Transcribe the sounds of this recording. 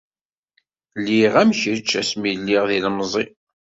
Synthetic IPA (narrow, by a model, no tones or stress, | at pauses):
lːiʁæmçɾit͡ʃːæsmilːiʁðilmzˤi